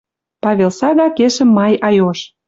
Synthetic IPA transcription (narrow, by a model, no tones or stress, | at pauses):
pɑβʲelˠsɑɣɑkeʃə̆mːɑjɑjoʃ